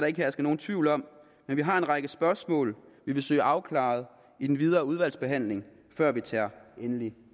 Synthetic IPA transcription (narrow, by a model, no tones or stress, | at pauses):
ɾɑe̝ɡ̥hesɡ̥əno̝ːn̩t͡sʰʋiʊlɒ̽m̰ | menʋiɦɑ̈e̝nʁɑ̈ɡ̥əsb̥ɶɐsmɔ̰̽ːlʋiʋe̝sø̰ːɪʔɑ̈ʊkʰlɑ̰̈ð̞̩ˠ | id̥enʋið̞ˠɐːuð̞ˠʋæl̰sb̥e̝ɦæn̰le̝ŋ | fɶɐ̰ʋit͡sʰæɐ̰enəli